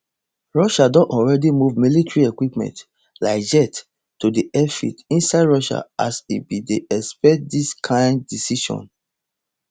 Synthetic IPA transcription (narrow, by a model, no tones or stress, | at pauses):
ɹɔʃadɔ̃nɔlɹɛdimuvmilitɹiekwipmɛ̰̃nt | laɪd͡ʒɛt | tːudiʔɛfḭtĩnsaɪdɹɔʃa̰ʔasibideʔɛspɛt̚diskʰãɪ̃ndːisiʃɔ̰̃n